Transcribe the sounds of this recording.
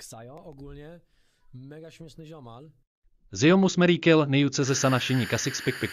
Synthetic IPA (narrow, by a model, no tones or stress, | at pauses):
ksajɔɔɡulɲɛ | mɛɡaʃmisniʒɔman | zɪjomusmɛɾiːkɪlnɛjut͡sɛzɛsanaʃɪɲikasɪkspɪk̚pɪk